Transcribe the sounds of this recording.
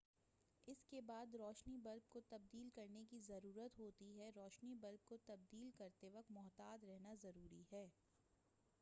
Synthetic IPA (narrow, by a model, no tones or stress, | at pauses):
ɪskebaːd̪ɾɔːʃnibɐlb̚kot̪ɐb̚d̪iːlkɐɾnekizɐɾuːɾət̪ɦoːt̪iɦɛɾɔːʃnibɐlb̚kot̪ɐb̚d̪iːlkɐɾt̪eʋɐk̚t̪mʊɦt̪aːd̪ɾɛɦnazɐɾuːɾiɦɛː